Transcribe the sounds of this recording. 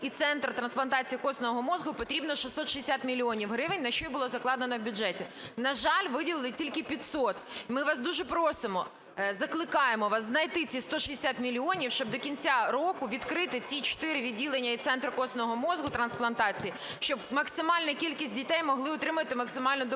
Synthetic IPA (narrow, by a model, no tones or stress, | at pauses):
it̪sɛnt̪rt̪ɾɐnsplˠɐnt̪ɑt͡sʲijikɔsnɔʋɔɦɔmɔzɦʊpɔt̪ɾʲibnɔʃisːɔt̪ʃiesʲat̪mʲilʲiɔnʲiwɦɾɪʋɪnʲnɐʃt͡ʃɔjbʊlˠɔzɐklˠɑd̪enɔwbʲʊd͡ʒɛtʲinɐʒɑlʲʋɪdʲilˠɪlˠɪtʲilʲkɪpʲit̪sɔt̪imɪʋɑsd̪uʒɛpɾɔsɪmɔ | zɐklˠɪkɑjemɔʋɑsznɐjt̪ɪt͡sʲist̪ɔʃiesʲat̪mʲilʲiɔnʲiwʃt͡ʃɔb̚d̪ɔkʲinʲt͡sʲaɾɔkʊʋʲid̪kɾɪt̪ɪt͡sʲit͡ʃɔ̥t̪ɪɾɪʋʲidʲilˠenʲːɐit̪sɛnt̪rkɔsnɔɦɔmɔzɦʊt̪ɾɐnsplˠɐnt̪ɑt͡sʲijiʃt͡ʃɔbmɐksɪmɑlʲnɐkʲilʲkʲisʲt̚ʲdʲit̪ɛjmɔɦlˠɪɔt̪ɾɪmʊʋɐt̪ɪmɐksɪmɑlʲnɔd̪